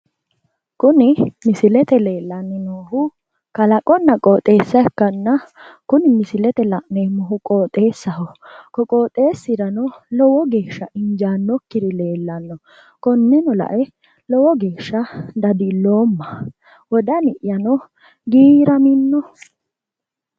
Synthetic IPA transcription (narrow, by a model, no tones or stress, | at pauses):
kʊnɪmɪsɪlɛt̪ɛle̞ːlːɐnːɪnoːɦʊ | kɐlɐkʼːɔnːɐkʼoːt̪ʼːe̞ːsːɐɛkːɐnːɐkʊnɪmɪsɪlɛt̪ɛlɐʔnemɔɦʊkʼoːt̪ʼe̞ːsːɐhɔkɔkʼoːt̪ʼːe̞ːsːɪɾɐnɔlɔwɔɡe̞ːʃːɐɪɲd͡ʒaːnːɔkːɪd̪ɪle̞ːlːɐnːɔ | kɔnːɛnɔlɐ̰ʔɛ | lɔwɔɡe̞ːʃːɐd̪ɐd̪ɪlːoːmːɐ | wɔd̪ɐnɪʔjɐnɔ | ɡiːɾɐmɪnːɔ